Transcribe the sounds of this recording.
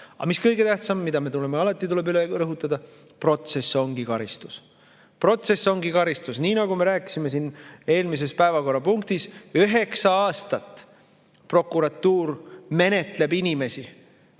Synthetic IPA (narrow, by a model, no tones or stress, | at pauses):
ɑ̰miskɤjɡe̞t̪æht̪sɑmːid̪̥ɑme̞t̪ule̞meɑlɑt̪ːˑit̪ule̞byleɾɤɦut̪ːˑɑd̪̥ɑ | pro̞t̪se̞sːo̞ŋɡikɑɾist̪u̥s | pro̞t̪se̞so̞ŋɡikɑɾist̪usniːnɑɡume̞ɾæːkˑi̥sime̞sine̞ːlmis̬e̞spæevɑko̞rːɑpuŋkt̪isyɦe̞ksɑɑːst̪ɑt̪ː | pro̞kːˑuɾɑt̪ːuːɾme̞ne̞t̪le̞binʲime̞si